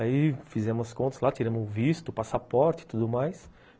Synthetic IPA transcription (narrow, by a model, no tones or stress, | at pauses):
aifizẽmʊɐskõt̪ɐzlat͡ʃiɾɐ̃mʊʊvist̪ʊpasapɔɾt͡ʃɪ̥t̪ud̪ʊmajs